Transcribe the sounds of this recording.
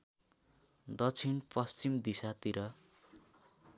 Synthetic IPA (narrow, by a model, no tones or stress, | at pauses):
d̪ʌt͡sʰinpʌst͡simd̪isat̪iɾʌ